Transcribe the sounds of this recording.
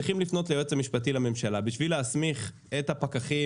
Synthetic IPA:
iχimlifno̞t̪leot͡samiʃpat̬ilame̞mʃalabiʃvileasmiχ | etapakaχi

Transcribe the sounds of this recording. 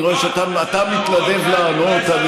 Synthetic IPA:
ʁoeʃeat̪aat̪amit̪lade̞vlaːnot̪ani

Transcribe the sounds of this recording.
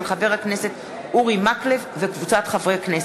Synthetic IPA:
lχabe̞ʁhakne̞se̞t | uʁimaklefvekvut͡sat̪χavʁejaknes

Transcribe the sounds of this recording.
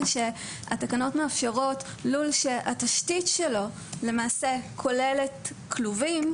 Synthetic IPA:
ʃe | a̰takano̞tmeafʃeʁo̞t | lulʃeʔataʃtitʃelo̞ | le̞maːse̞kʰo̞le̞le̞t | kluvim

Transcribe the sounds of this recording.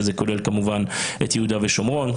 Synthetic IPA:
zeko̞lelkamuvanḛt̪jehud̪aveʃomʁo̞n

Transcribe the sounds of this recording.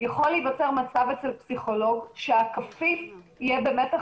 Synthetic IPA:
jaχo̞levat͡seʁmat͡savet͡selpsiχo̞lo̞ɡʃeakafifijebemeta

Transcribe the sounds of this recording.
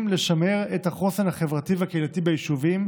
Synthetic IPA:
mleʃameʁethaχo̞senhaχe̞vʁativakeilatibejiʃuvim

